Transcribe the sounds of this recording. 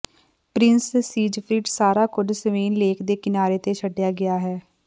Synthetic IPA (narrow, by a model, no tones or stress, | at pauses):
pɾɪnssiːd͡ʒpʰɾiːɖsaːɾaːkʊɖsəʋeːnleːkd̪eːkɪnaːɾeːt̪eːt͡ʃʰəɖːɪjaːɡɪaːɦɛː